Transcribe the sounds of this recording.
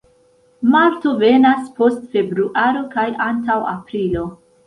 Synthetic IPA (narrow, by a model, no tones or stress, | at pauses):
maɾto̞ve̞naspo̞stfe̞bɾuʔaɾo̞kajantawa̰pɾilo̞